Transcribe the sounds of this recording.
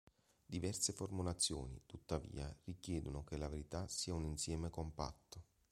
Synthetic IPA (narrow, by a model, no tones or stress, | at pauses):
d̪ivɛrseformulat̪sːjo̰ːnḭt̪ut̪ːavḭːarikjɛːd̪unokelaveɾit̪asiːauninsjɛːmekompa̰t̪ːo